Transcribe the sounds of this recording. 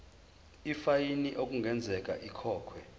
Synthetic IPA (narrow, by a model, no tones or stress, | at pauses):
ifajiniʔok̬ʼuŋɡʱɛnd͡zʱɛk̬ʼaʔikʰɔːkʰwɛ